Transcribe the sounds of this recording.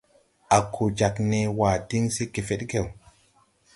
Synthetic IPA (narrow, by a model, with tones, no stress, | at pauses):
ʔa˨kʰo˨d͡ʒa˨kne˨wa˨di˦ŋse˦ke˨fe˦ɗɡe˨w